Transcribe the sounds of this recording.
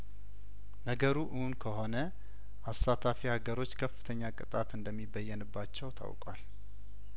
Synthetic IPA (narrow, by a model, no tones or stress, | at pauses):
nəɡəɾuʔɨhunkʰəho̞nə | ʔasat̪ʰafihaɡəɾo̞t͡ʃːkʰəfːɨ̥t̪ʰəɲːakʼɨt̪ʼat̪ɨnd̪əmːibəjːɛnɨbːat͡ʃːɛwt̪ʰa̰wkʼwa̰l